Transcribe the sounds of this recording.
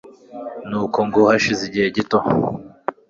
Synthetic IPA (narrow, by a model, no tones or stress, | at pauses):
nuːkoŋɡohaʃiziɟiheɟito